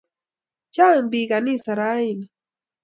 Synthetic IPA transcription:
t͡ʃaŋbiɡanisaɾajin

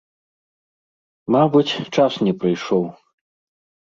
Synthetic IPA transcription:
mabut͡sʲt͡ʂasnʲɛpɾɨjʂɔw

